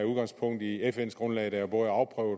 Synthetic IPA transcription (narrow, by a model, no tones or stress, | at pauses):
uð̞ˠɡ̥ɑ̈ŋspʰɔ̽ŋ̰d̥iefen̰sɡ̥ʁɔ̽nlɛɪd̥ææb̥oɑ̈ʊpʰʁœʊ